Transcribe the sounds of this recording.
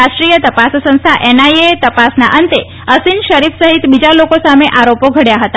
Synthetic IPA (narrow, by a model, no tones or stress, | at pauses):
aʃʈɾijət̪əpassə̃nst̪ʰaʔenajet̪əpasna̰ʔənt̪e | əsinʃəɾifsəɦit̪bid͡ʒalokosameʔaɾopoɡʱəɽjaɦət̪a